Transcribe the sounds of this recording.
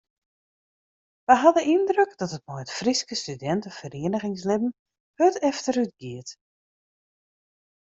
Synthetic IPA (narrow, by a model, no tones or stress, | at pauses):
ʋəjɦadəʔindrøkd̥ɔtət̚mɔjətfriskəstydɛntəfəreənəɣɪŋslɪbn̩ | høtɛftərytɡ̥iət